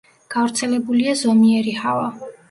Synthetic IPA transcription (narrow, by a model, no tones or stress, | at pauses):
ɡ̥avɾt̪sʰɛlɛbuliazɔmiɛɾihava